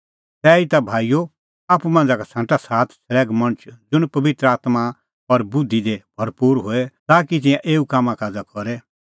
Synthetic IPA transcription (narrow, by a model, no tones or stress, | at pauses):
t̪ɛːit̪abʱaːijo | aːpumɐ̃nd͡zakasʰãːʈasaːt̪ʰsʰɐlɛːɡmɐ̃ɽ̃t͡ʃʰd͡zʊɽ̃pɐbɪt̪ɾəaːt̪ma | ɐɾbʊd̪ʱːid̪eb̥ʱɐɾpuːɾɦoːɛt̪aːkit̪̬ɪ̃jãʔeːukaːmãkaːd͡zakɔɾɛ